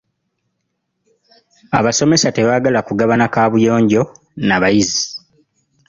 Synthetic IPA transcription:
a̰βaso̞me̞sate̞βaːɡalakuɡaβanakaːβujo̞ːɲɟo̞ | naβajizi

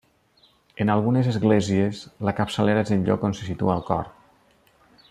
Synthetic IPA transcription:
enalˠɣunezəzɣlezieslakapsəleɾaezenʎɔ̰konsesit̪ṵaːlˠkɔ̰ɾ

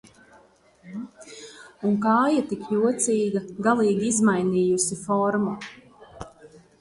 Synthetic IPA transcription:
uŋkaːjat̪ikjuɔt̪siːɡaɡalˠiːɡiizmajniːjusifɔɾmu

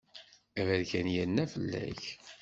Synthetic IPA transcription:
væðçænjænːæfəlːæ̰ç

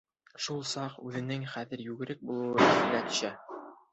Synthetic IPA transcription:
ʃulˠsɑqʉðɘ̆nɘŋχæðɘ̆ɾjʉɡɘ̆ɾɘk̚bulˠɤ̆wɤɘ̆sɘ̆llæt̪ɵ̥̆ɕæ

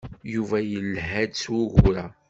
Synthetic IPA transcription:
juvæjəlːɦæd̪swʊʝuɾæ

